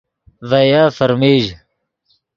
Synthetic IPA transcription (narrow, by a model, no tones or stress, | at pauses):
vɐjaːfɐɾmeːʑ